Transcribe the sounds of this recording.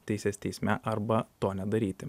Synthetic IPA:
t̪ʲɛɪsʲeːsʲt̪ʲɛɪsʲmʲɛʔɐɾbɐt̪oːnʲɛd̪ɐɾʲiːt̪ʲɪ

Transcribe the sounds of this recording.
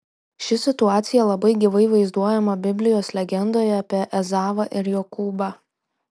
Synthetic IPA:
ʃʲɪsʲɪt̪ʊɑːt̪sʲɪjɛlˠɐbɐɪɡʲɪʋɐɪʋɐɪzd̪uɔjɛmɐbʲɪbʲlʲɪjoːslʲɛɡʲɛnd̪oːjɛɐpʲiɛʔɛzɑːʋɐʔɪɾjoːkuːbɐ

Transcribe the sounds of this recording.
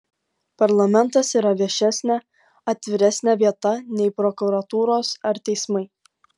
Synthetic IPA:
pɐɾlˠɐmʲɛnt̪ɐsiːɾɐʋʲiɛʃʲɛsʲnʲɛ | ɐt̪ʲʋʲɪɾʲɛsʲnʲæʋʲiɛt̪ɐnʲɛɪpɾɔkʊɾɐt̪uːɾoːsɐɾt̪ʲɛɪsmɐɪ

